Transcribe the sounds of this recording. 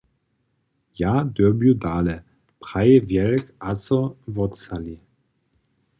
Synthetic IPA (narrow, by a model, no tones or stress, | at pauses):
jaːd̪ɔbjud̪aːlɛ | pʁ̥ajɛvjɛlkasɔvɔtt͡sali